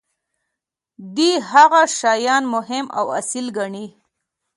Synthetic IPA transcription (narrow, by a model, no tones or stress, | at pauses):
d̪ihaɣaʃɑjɑnmʊɦɪma̰wa̰silɡaɳi